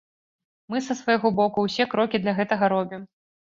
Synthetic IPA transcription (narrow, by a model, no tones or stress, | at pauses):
mɨsɐsvɐjɣɔbɔkuwsʲɛkɾɔkʲid̪lʲɐɣɛt̪ɐɣɐɾɔbʲim